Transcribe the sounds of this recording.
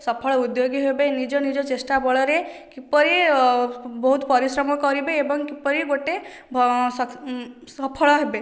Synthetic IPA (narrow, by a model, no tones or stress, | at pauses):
sɔpʰəɭud̪joɡiɦobenid͡ʒonid͡ʒot͡ʃesʈabɔɭɔɾekipɔɾi | bɔɦut̪pɔɾisɾɔmɔkɔɾibeːbɔŋkipɔɾiɡoʈe | bʱssɔpʰɔɭɔɦebe